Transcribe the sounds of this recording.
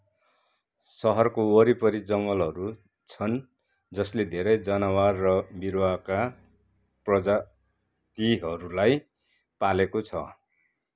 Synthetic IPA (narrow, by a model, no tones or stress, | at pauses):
sʌɦʌrkowʌɾipʌɾid͡zʌŋɡʌlɦʌɾu | t͡sʰʌn | d͡zʌsled̪ʱeɾʌjd͡zʌnawarrʌbiɾwaka | prʌd͡za | t̪iɦʌɾulaj | palekot͡sʰʌ